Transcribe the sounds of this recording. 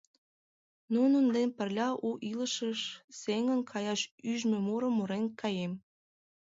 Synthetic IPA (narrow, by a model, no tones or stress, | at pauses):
nunənd̪enpərlʲɑʔuʔiləʃəʃseŋənkʰɑjɑʃyʒmĕmuɾəmːuɾenkʰɑjem